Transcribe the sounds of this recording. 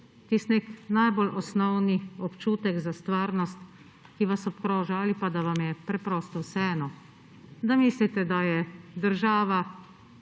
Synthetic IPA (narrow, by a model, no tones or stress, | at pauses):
t̪isneknajbɔlʔɔsnɔwniɔpt͡ʃuːt̪ɛɡzast̪ʋaːɾnɔst̪ | kiʋasɔpkɾɔːʒaaːlipad̪aʋamjɛpɾɛpɾɔːst̪ɔwsɛɛːnɔ | d̪amiːslit̪ɛd̪ajɛd̪əɾʒaːʋa